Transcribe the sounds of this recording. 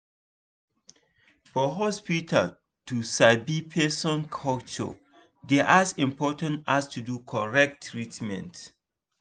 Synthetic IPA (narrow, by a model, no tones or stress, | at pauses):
fɔɦɔspitʰa̰l | tusabipʰɛsɔ̃nkʰɔlt͡ʃɔ̰ | dɛʔazĩmpɔtãntastʰudukʰɔɹɛk̚tːɹitmɛ̰̃nt